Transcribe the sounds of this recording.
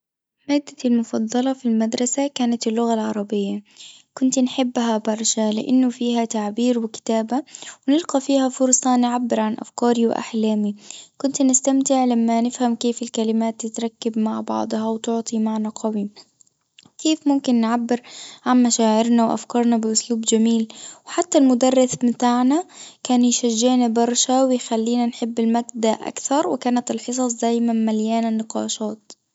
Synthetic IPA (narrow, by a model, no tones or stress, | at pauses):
maːd̪ːalmʊfɑd̪ˤːɑlɑfilmad̪ɾˤɑsakaːnat̪ɪlːʊɣalʕɑɾˤɑbɪjːa | kʊnt̪nħɪbːɦabɑɾˤʃalɪʔanːʊfiːɦat̪aʕbiːɾwɪkɪ̥t̪aːbawnɪlqɑfiːhafʊɾsˤɑnʕabːɪɾʕanʔa̰fkɑːɾiwʔa̰ħlaːmikʊnt̪nɪst̪amt̪ɪʕlamːanɪfhamkeːfɪlkalɪmaːt̪ːɪt̪ɾˤɑkːabmaʕbɑ̰ʕd̪ˤhɑwt̪ʊʕt̪ˤimaʕnaqɑwi | keːfmʊmkɪnːʕabːɪɾʕanmaʃaːʕɪɾnawʔa̰fkɑːɾˤnabɪʔʊsluːbd͡ʒamiːlwħat̪ːalmʊd̪ɑrːɪθmɪt̪aːʕnakaːnjʃaʒːɪʕnabɑɾˤʃawɪjxalːiːnanħɪbːɪlmaɡd̪aʔa̰kθɑɾˤwɪkaːnat̪ɪlħɨs̬ˤɑsˤd̪aːjmanmaljaːnanːɪqɑ̰ːʃɑːt̪̚